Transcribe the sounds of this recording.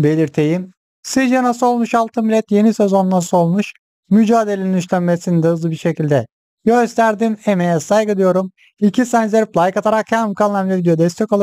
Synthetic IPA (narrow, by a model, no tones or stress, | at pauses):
be̞lʲiɾt̪ʰejim | sid͡ʒanaso̞lˠmuʃalˠt̪ʰɯnmbilʲɛt̪je̞nisezo̞nnaso̞lˠmuʃ | myd͡ʒaːd̪elʲeninyʃlʲænmesinid̪ɛɦɯzlˠɯbiɾʃe̞cilʲd̪ɛ | jøst̪ʰæɾd̪imemejɛsajɡɯd̪ɯjo̞ɾum | icʰisænzʲeɾiplˠajkat̪ʰaɾakhanmkʰalˠlˠamʲɛvid̪ejod̪ɛst̪ʰɛkolˠa